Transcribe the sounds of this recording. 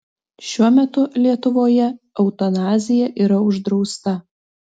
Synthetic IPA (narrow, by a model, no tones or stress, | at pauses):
ʃʲuɔmʲɛt̪ʊlʲiɛt̪ʊʋoːjɛ | ɒʊt̪ɔnɑːzʲɪjɛʔiːɾɐʊʒd̪ɾɒʊst̪ɐ